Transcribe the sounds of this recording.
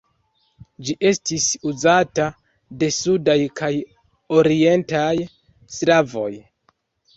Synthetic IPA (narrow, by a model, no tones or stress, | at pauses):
d͡ʒiʔe̞stisuzata | de̞sudajkʰaj | o̞ɾie̞ntaj | slavo̞̰j